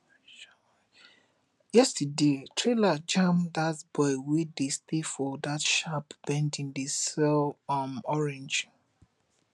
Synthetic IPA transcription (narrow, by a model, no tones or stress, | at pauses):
jɛstədetʰɹelad͡ʒãmdatbɔɪwidestefɔdatʃapb̥ɛ̃ndĩndəsɛlamɔɹɛ̃nd͡ʒ